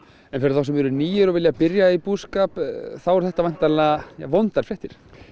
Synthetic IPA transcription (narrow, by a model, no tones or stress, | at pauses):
ɛnfɪɾɪɾθaws̬ɛmɛɾʏniːjʏɾɔɣvɪljapɪɾjaipuːskapθawɛɾ̥θɛht̪avajn̥t̪alaja̰ːvownt̪aɾ̥fɾɛht̪ɪɾ̥